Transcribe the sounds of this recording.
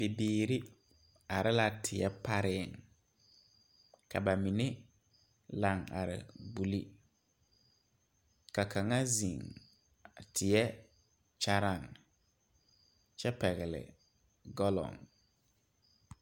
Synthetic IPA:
b̥e˨biː˨ɾi˦ | a˨ɾɪ˦la˨tʰɪ˨ɛ˦pa˦ɾɪ˦˨ŋ | ka˨ba˨mi˨ne˦ | la˨ŋa̰˨ɾɪ̰˨bu˨li˦ | ka˨ka˨ŋa˦zi˨ŋ˨ | tʰɪ˨ɛ˦ | t͡ʃa˦ɾa˦˨ŋ | t͡ʃɛ˦pɛ˨ɣɪ˨lɪ̰˨ | ɡɔ˦lɔ̰˨ŋ

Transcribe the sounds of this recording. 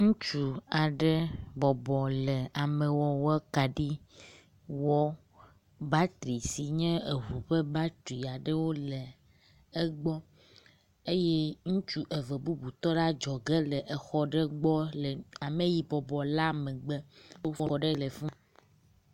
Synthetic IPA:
ŋũ˦t͡ʃu˨a˨ɖe˦bɔ˨bɔ˨lɛ˨a˨me˨wɔ˦wɛ˦ka˨ɖi˦ | wɔ˦ | ba˦t̪ɾi˨si˨ɲɛ̃˦e˨ɦu˨ɸe˦ba˦t̪u˨i˨a˨ɖe˦wo˦le˨ | e˦ɡ͡bɔ˦ | e˦jɛ˦ŋũ˦t͡ʃu˦ʔe˨vɛ˨bu˦bu˨t̪ɔ˦ɖa˦d͡ʒɔ˨ɡe˦lɛ˨ʔe˨xɔ˦ɖe˦ɡ͡bɔ˦le˨a˨mẽ˨ji˨bɔ˨bɔ˨la˦me˨ɡ͡be˦wo˦fɔ˦˨˦ɖɛ˦le˨fɔ̃˦

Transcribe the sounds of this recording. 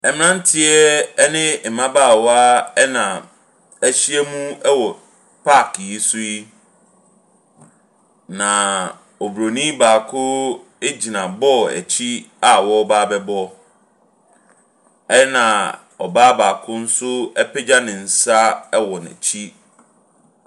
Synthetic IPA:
ɛ˨mɪ̃˨nã˦n̩˦tʰɪ˦ɛ˦ɛ˦nɪ̃˦˨mã˦baː˦˨wɔ˦a˦ɛ˦nã˨ | æ˨ɕi˦ɛ˦mũ˦ɛ˦wɔ˨ | pʰa˦˨kji˦sʊ˦i˦ | nã˨ | ɔ˨bɾo˨nĩ˦baː˨kʰʊ˦ | e˦d͡ʑi˨nã˨bɔ˦æ̰˨t͡ɕʰi˦a˨wɔ˦baː˦bɛ˦bɔ˦ | ɛ˦nã˨ | ɔ˨baː˦baː˨kʰʊ˦n̩˦sʊ˦ɛ˦pʰɛ˦d͡ʑa˦nɪ̃˨n̩˨sa˦ɛ˦wɔ˨nɛ̰̃˨t͡ɕʰi˦

